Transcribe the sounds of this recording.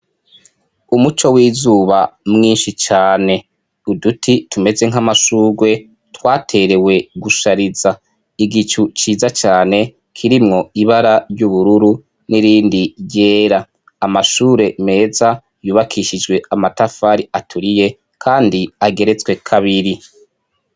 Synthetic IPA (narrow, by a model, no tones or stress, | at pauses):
umut͡ʃo̞wiːzuːβamŋiːnʃit͡ʃaːne̞ | udutʰitume̞ze̞ŋ̥amaʃuːɡwe̞ | twaːtʰe̞ɾe̞we̞ɡuʃaɾiza | iɡit͡ʃut͡ʃiːzat͡ʃaːne̞ | kʰiɾimŋo̞iβaɾaɾjuβuɾuɾu | niɾiːndiɟe̞ːɾaː | maʃuːɾe̞me̞ːza | juːβakʰiʃid͡ʒɡwe̞amatafaɾiatʰuɾije̞ | kʰaːndiaɡe̞ɾe̞t͡swe̞kʰaβiɾi